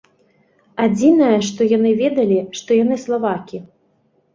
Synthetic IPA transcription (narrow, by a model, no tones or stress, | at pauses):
ad͡zʲinɐjɐʂt̪ɔjanɨvʲɛd̪ɐlʲiʂt̪ɔjan̪ɨslˠavakʲi